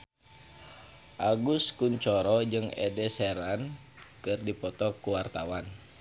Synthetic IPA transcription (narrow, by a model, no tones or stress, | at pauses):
ʔaɡuskuɲt͡ʃɔɾɔd͡ʒɨŋɛ̰dɛsɛɾan | kɨrdipɔt̪ɔkuwart̪awan